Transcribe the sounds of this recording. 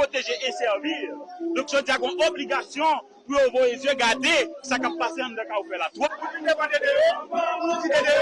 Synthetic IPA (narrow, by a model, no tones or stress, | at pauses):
pot̪eʒeʔesɛʁvild̪ɔ̃kʒod͡zijaɡɔ̃ʔobliɡasjɔ̃ | pujovojezjøɡad̪esakappaseɐ̃md̪ɛ̃kaofɛlat̪waid̪epãd̪ede | ied